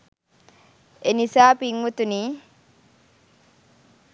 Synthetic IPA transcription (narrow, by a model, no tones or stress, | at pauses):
enisaːpiŋʋut̪uniː